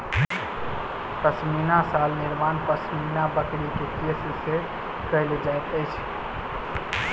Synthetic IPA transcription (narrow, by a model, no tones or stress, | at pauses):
pət͡ʃminasalniɾmanpət͡ʃʰminabəkɾikekesse | kəɪled͡ʒajt̪əɪt͡ʃʰ